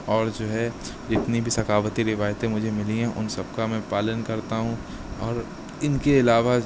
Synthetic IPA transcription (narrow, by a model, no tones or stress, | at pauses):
ɔːɾd͡ʒoːɦɛ | ɪt̪nibʱisɐkʰaːʋət̪iɾɪʋaːjt̪ẽmʊd͡ʒʱemɪliɦɛ̃ʔʊ̰nsɐb̚kamɛ̃ːpaːlənkɐɾt̪aɦũ | ɔːɾ | ɪnkeɪlaːʋa